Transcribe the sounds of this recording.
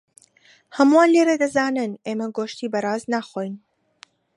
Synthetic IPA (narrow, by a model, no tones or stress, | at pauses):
hɐmuwaːnleɾed̪ɐzaːnɨnʔeːmɐɡoʃt̪iːbɐɾaːznaːxoːjn